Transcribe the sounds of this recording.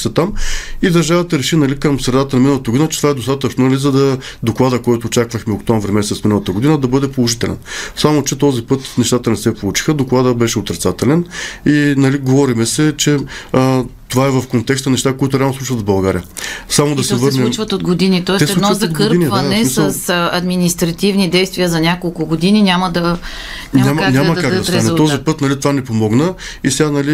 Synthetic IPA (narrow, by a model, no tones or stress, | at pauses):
sɛt̪amid̪ɐɾʒavət̪ɐɾɛʃinɐlikəmsɾɛd̪at̪ənɐminəlˠt̪əɡʊd̪inət͡ʃɛt̪ovaɛd̪ost̪at̪ət͡ʃnonɐlizɐd̪ɐd̪oklˠad̪əkɔjt̪ʊːt͡ʃakvəxmɛokt̪ɔmvɾimɛsɛt̪sminəlˠət̪əɡod̪inəd̪ɐbɤd̪ɛpolˠoʒit̪ɛlɛ̰nsamot͡ʃɛt̪ɔzipɤt̪nɛʃt̪at̪ənɛsɛpolˠut͡ʃi̥xəd̪oklˠad̪əbɛʃɛot̪ɾɛt̪sat̪ɛlɛninɐliɡovɔɾimɛsɛt͡ʃɛ | t̪ovaɛvɐfkont̪ɛkst̪ənɛʃt̪akoit̪ʊɾɛalˠnsˠut͡ʃvət̪zbɐlˠɡaɾijəsamod̪ɐsɛvɤɾnɛmt͡ʃvət̪od̪ɡod̪init̪ɔɛsɛsɛdunɔɐzɐt̪kɤɾinvɐnɛsmisəsɐd̪minist̪ɾɐt̪ivnid̪ɛjst̪vʲiəzɐnʲakolˠkʊɡod̪ininʲaməd̪ɐ | nʲnamʲamanʲamɐd̪kaɡ̪d̪ɐsanɛt̪ɔzipɤt̪nɐlit̪ovanɛpomɔɡnə | isɛɡanɐli